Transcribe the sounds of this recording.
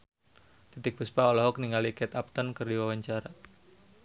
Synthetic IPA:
t̪it̪ɪk̚b̥uspaɔlɔɦɔk̚niŋalikɛt̪ap̚t̪ənkɨrdiwawaɲt͡ʃaɾa

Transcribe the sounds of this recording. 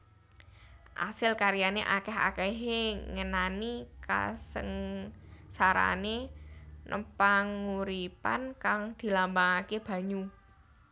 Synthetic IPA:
ʔa̰sɪlkaɾjaneʔakɛɦa̰kɛɦeŋənanika̰sə̰ŋ | saɾa̰ne | nʔə̰paŋuɾipankaŋd̪̥i̤lambaŋakeb̥ä̤ɲu

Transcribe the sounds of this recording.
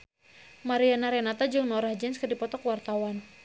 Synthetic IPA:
maɾianaɾɛnat̪ad͡ʒɨŋnɔɾahd͡ʒɛnskədipɔt̪ɔkwart̪awan

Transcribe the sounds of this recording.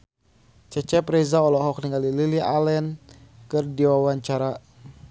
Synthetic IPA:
t͡ʃɛt͡ʃɛpɾɛzaɔlɔɦɔk̚niŋɡalililialɛnkɨrdiwawaɲt͡ʃaɾa

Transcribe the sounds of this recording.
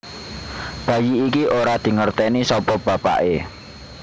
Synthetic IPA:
b̥a̤jiːkiʔoɾad̪̥i̤ŋərt̪ɛnisɔpɔb̥ä̤pa̰ʔe

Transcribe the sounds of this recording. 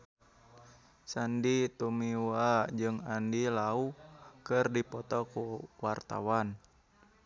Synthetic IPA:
sandit̪umiwad͡ʒɨŋandilaukɨrdipɔt̪ɔkuwart̪a̰wan

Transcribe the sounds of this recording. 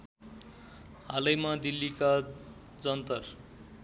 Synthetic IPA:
ɦalʌjmad̪ilːika | d͡zʌnt̪ʌr

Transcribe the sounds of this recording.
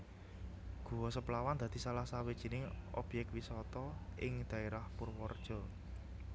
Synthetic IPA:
ɡ̥ṳwɔsəplawand̪̥ä̤d̪̥i̤salahsawed̥ʒ̥i̤nɪŋɔb̥jɛk̚t̪̚wisɔt̪ɔɪŋd̪̥a̤eɾahpʊrwɔrd̥ʒ̥ɔ̤

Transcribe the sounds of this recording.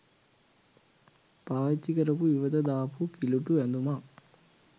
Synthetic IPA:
paːt͡ʃːikɐɾɐpuiʋɐd̪ɐd̪aːpukiluʈːuend̪uma

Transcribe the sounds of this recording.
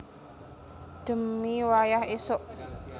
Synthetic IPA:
d̥ə̤mːiwajahesʊʔ

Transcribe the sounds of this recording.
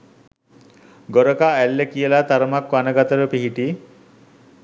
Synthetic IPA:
ɡoɾəkaælːekijəlat̪aɾəmakʋanəɡat̪əɾəpiɦiʈi

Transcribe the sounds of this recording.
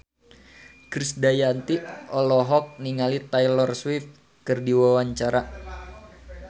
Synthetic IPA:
kɾisdajant̪iʔɔlɔɦɔk̚niŋalit̪ajlɔrswift̪̚ | kɨrdiwawaɲt͡ʃaɾa

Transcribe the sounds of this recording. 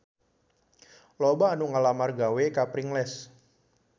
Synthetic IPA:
lobaːnuŋalamarɡawekapɾiŋlɛs

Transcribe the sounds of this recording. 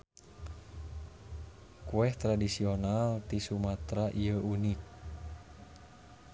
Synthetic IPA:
kuɛht̪ɾadisionalt̪isumat̪ɾaʔijəʔunik̚

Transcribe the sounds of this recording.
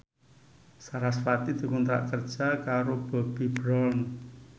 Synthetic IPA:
saɾasfat̪id̪̥i̤kunt̪ɾa̰ʔkərd̥ʒ̥a̤kaɾob̥ɔ̤b̥i̤b̥ɾɔln

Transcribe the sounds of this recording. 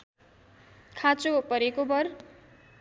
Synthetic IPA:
kʰat͡sopʌɾekobʌr

